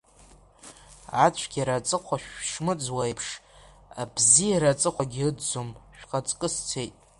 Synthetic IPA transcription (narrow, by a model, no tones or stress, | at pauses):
at͡ɕʷʰɡʲaɾat͡sʼɨqʷaʃᶣʂmɨd͡zwaipʰʂabziaɾat͡sʼɨqʷaɡʲiɨdd͡zomʃᶣqʼat͡sʼkʼɨst͡sʰejtʼ